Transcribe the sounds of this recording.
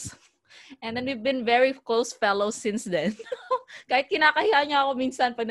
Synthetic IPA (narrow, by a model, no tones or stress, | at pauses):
ʔɛ̃nd̪ɛnwivbɪ̃nvɛɹikloʊsfɛloʊsɪ̃nsd̪ɛnkaːhɪt̪̚kɪnaːkɐhihaɲaɐko̞miːnsɐnpɐɡ̚n